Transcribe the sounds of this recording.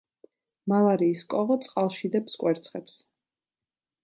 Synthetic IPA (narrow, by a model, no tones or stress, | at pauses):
malˠaɾiːskʼɔʁɔt̪sʼqʼalˠʃid̪ɛpskʼwɛɾt̪sʰχɛps